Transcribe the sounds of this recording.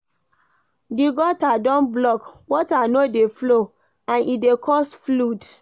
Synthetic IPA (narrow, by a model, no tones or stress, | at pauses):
diɡɔtadɔ̃nblɔkwɔtanodeflo | ãnidekʰɔsflud